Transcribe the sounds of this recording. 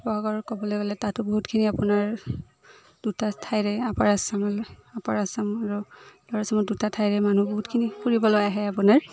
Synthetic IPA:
bɔɦɔɡɔɹkɔbɔlojɡɔlɛtatʊbɔɦutkʰiniapʊnaɹ | d̥utatʰajɹɛapaɹasamalapaɹasamaɹul̥ɔɹasamɔdutatʰajɹɛmanubɔɦutkʰinipuɹibɔlɔaaɦɛapunaɹ

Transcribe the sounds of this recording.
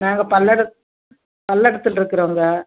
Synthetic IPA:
naːŋɡɐpɐlːɛɽɐ | pɐlːɛɽɐt̪ːɯlɪɾɯkːɯɾoːŋɡɐ

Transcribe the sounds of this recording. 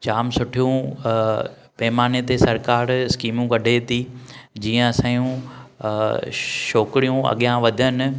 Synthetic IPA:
t͡ɕaːmsʊʈʰijũ | peːmaːnet̪esɐɾkaːɾskiːmũkɐɖʱet̪id͡ʑiːə̃ɐsãːjũ | ʃoːkɪɾijũɐ̰ɠijãʋɐd̪ʱənɪ̆

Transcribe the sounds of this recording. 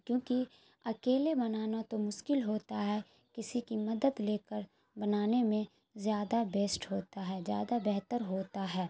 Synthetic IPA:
kjõːki | ɐkeːlebɐnaːnat̪omʊʃkɪlɦoːt̪aɦɛ | kɪsikimɐd̪əd̪leːkəɾ | bɐnaːnemẽ | zjaːd̪abeːsʈɦoːt̪aɦɛːzja̰ːd̪abɛɦt̪əɾɦoːt̪aɦɛː

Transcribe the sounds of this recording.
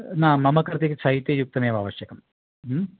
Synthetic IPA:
naːmːɐmɐkːɐrt̪ikʲːɨt͡ɕʰɐɦit̪ːjejuk̚t̪ɐmeːɐʋa̰ːʋɐɕjɐkɐm

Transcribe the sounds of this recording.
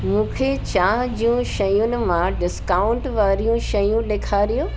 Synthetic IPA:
mũːkʰet͡ɕãːɦd͡ʑijũʃɐjʊnɪ̆mãɖɪskaːʊ̃ɳʈʋaːɾijũʃɐjũɗeːkʰaːɾijoː

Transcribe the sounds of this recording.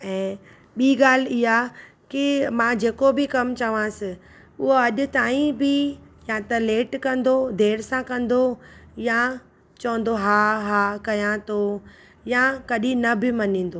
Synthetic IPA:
ɛ̃ː | ɓiːɠaːl̤ɪɦa | kɪmãːd͡ʑeːkobʱɪkɐmt͡ɕɐʋãsɪ | ʊɦoɐʄʊ̆t̪aːĩbʱɪ | jãt̪ɐleːʈkɐ̃nd̪od̪ʱeːɾsãkɐ̃nd̪oja | t͡ɕɐʋə̃n̆d̪oɦaːɦaːkɐjãt̪ʰo | jakɐɗĩnɐbɪmɐnĩːn̆d̪oː

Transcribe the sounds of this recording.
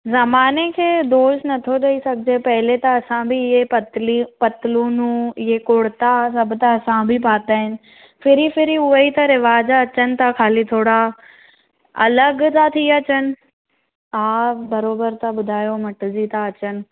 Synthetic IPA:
zɐmaːnekʰeːd̪oːsnɐt̪ʰoɗɐisɐɡʱɪd͡ʑepɐɦɪlet̪ɐɐsãbʱiɪɦelpɐt̪lũːnũɪɦekoːɽt̪as̬ɐbt̪aɐsãbʱipaːt̪aːɦɪnɪ̆ | fɪɾifɪɾiʊɦəit̪ɐɾɪʋaːd͡ʑaɐt͡ɕənɪ̆t̪ʰakʰaːlit̪ʰoːɽa | ɐ̰ləɡt̪ʰat̪ʰiɐt͡ɕənɪ̆ | aːbɐɾoːbəɾt̪aɓʊd̪ʱaːjomɐʈzit̪ʰaɐt͡ɕənɪ̆

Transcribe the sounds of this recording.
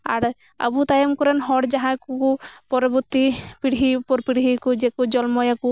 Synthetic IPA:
a̰ɾ | ə̰but̪ajɔmkɔɾanɦɔɽd͡ʒaɦãkukupɔɾɔbuɾt̪ipiɽɦiupɔɾpiɽɦikud͡ʒekud͡ʒɔlmɔjaku

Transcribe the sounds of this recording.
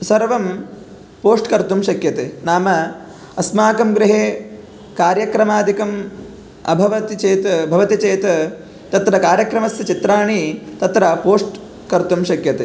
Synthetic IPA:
sɐɾʋɐm | poːsʈkɐɾt̪umʃɐkjɐt̪eːnaːmɐ | ɐsmaːkɐmɡɾɪɦeː | kaːɾjɐkɾɐmaːd̪ʱikɐm | ɐ̰bʱɐʋɐt̪it͡ʃeːt̪ɐbʱɐʋɐt̪it͡ʃeːt̪ɐ | t̪ɐt̪ɾɐkaːɾjɐkɾɐmɐsjɐt͡ʃit̪ɾaːɳit̪ɐt̪ɾɐpoːsʈ | kɐɾt̪umʃɐkjɐt̪eː

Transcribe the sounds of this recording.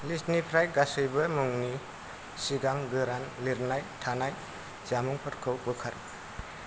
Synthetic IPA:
lisnipʰɾajɡasɯjbɐmɯŋni | siɡaŋɡɯɾanliɾnajtʰanaj | t͡ʃamuŋpʰɯtkʰɯwpɯkʰaɾ

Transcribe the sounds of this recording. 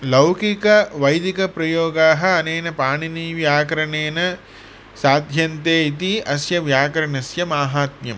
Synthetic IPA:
lɐwkikɐʋɐjd̪ikɐpɾɐjoːɡaːɦɐ̆ɐneːnɐpaːɳiniːʋjaːkɐɾɐɳeːnɐ | saːd̪ʱjɐnt̪eːit̪iɐsjɐʋjaːkɐɾɐɳɐsjɐmaːɦaːt̪mjɐ̰m

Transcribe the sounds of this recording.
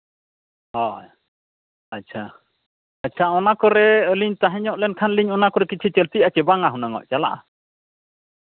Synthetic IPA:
hɔj | at͡ʃʰa | at͡ʃʰaɔnakɔɾɛəliɲt̪aɦɛɲɔʔlɛnkʰanliɲɔnakɔɾɛkit͡ʃʰit͡ʃəlt̪iat͡ʃɛbaŋaɦunaŋɔ̰ʔt͡ʃala̰ʔa

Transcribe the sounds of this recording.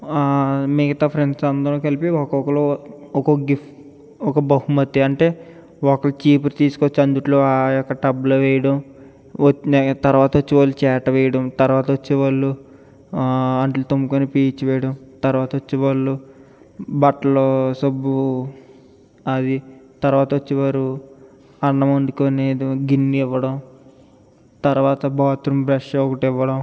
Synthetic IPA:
miɡɐt̪aːpʰɾeɳɖsɐnd̪ɐɾɐkɐlipiɔkɔkɐloɔkoɡipʈ | ɔkɐbɐɦumɐt̪ːiɐɳʈe̞ː | ɔkɐlɐt͡ʃiːpɾt̪iːsu̥kot͡ʃːiɐnd̪uʈloːajɔkːɐʈɐbuloʋɛjɐɽɐm | ot͡ʃnt̪ɐɾʋaːt̪ɐʋot͡ʃːiʋaːlːut͡ʃɛːʈɐʋɛjɐɽɐmt̪ɐɾʋaːt̪ɐʋot͡ʃːiʋaɭːu | ɐɳʈlut̪omːukonepiːt͡ʃːʋɛːjɐɽɐmt̪ɐɾuʋaːt̪ɐot͡ʃːiʋɐːɭːu | bɐʈːɐloːsɐbːu | ɐd̪i | t̪ɐɾʋaːt̪ɐʋot͡ʃːiʋaːɾu | ɐnːɐmɐnd̪ukoneːd̪iɡinːiiʋːɐɽɐm | t̪ɐɾʋaːt̪ɐbaːt̪ɾumbɾɐʂɔkɐʈiʋːɐɽɐm

